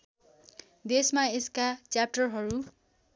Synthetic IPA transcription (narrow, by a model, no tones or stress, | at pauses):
d̪esmaeskat͡sjap̚ʈʌrɦʌɾu